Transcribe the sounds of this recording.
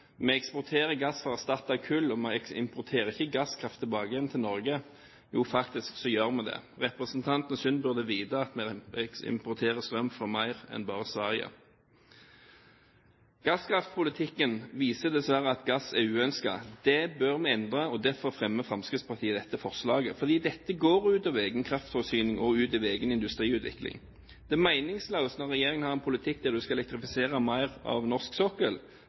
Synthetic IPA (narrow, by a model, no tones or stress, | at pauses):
mɛɛkspɔʁt̪ʰeːʁəɡɑsfɔʁɑst̪ɑt̪ːɑʋkʰʉlːɔmɛɪ̰mpʰʊʁt̪ʰeːɾəɪçəɡɑskʰʁɑft̪ʰːɪlbɑːɡəjɛnt̪ʰɪlnɔɾɡə | juːfɑkt̪ɪsksɔjøːʁmɛd̪ɛ̰ʁɛpʁəsnt̪ʰɑnt̪n̩sʏnbʉʁd̪əʋiːd̪əɑt̪mɛɛsɪ̰mpʊt̪ʰeːʁəst̪ʁœmfɔʁmæɪʁɛ̰nbɑːʁəsʋæʁɪə̰ | ɡ̥ɑskʰɾɑft̪pʰʊlɪt̪ʰɪkːənʋiːsəd̪ɛsʋæɾəɑt̪ɡɑsɛʉːœnskɑ̰d̪ɛbøʁmɛɛnd̪ʁɑɔd̪æʁfɔʁfʁɛmːəfʁɑmskɪt̪spʰɑʁt̪ʰiːəd̪ɛt̪ːəfɔʁslɑːɡəfɔʁd̪iːd̪ɛt̪ːəɡoːʁʉːt̪ɑʋeːɡənkʰʁɑft̪fɔsyːnɪŋʔɔʉːt̪ɑʋeːɡənɪnd̪ʉst̪ʁiːʉːt̪ʰʋɪ̰klɪ̰ŋ | d̪̥ɛmæɪnɪŋsləːʊəst̪nɔʁɛjeːʁɪŋənhɑʁɛnpʰʊlɪt̪ʰɪk̚ːd̪æʁd̪ʉskɑɛlɛk̚t̪ʁɪfɪseːʁɑmæɪʁɑ̰ʋnɔʁsksɔkəl